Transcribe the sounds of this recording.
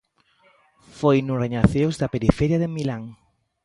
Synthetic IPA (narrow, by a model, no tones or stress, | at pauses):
fojnʊreɲaθewzðapeɾifeɾjaðemilaŋ